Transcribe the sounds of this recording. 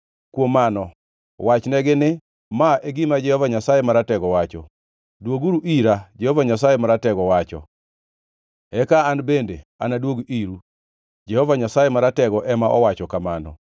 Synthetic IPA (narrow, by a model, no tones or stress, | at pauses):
kwomanɔ | wat͡ʃnɛɡɪnɪ | maʔeɡɪmad͡ʒɛhɔvaɲasajemaɾatɛɡɔwat͡ʃɔ̰ | dwoɡuɾuʔiɾad͡ʒɛhɔvaɲasajemaɾatɛɡɔwat͡ʃɔ̰ | ɛkaːnbendeanadwoɡiɾu | d͡ʒɛhɔvaɲasajemaɾatɛɡɔʔɛmaʔɔwat͡ʃɔkamanɔ̰